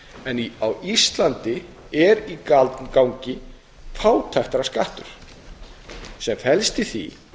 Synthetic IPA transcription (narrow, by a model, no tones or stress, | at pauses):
ɛniawist̪lant̪ɪ | ɛɾikalt̪nkawɲcɪ | faːwt̪ʰajht̪aɾaskaht̪ʏɾ̥ | sɛmfɛlst̪ɪθḭ